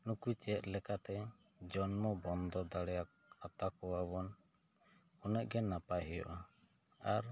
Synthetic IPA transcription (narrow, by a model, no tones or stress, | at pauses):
nukut͡ʃɛt̪̚lɛkat̪ɛ | d͡ʒɔnmɔbɔnd̪ɔd̪aɽɛja | at̪akɔwabɔn | unɛʔ̚ɡɛnːapaɦɛjɔ̰ʔa | aɾ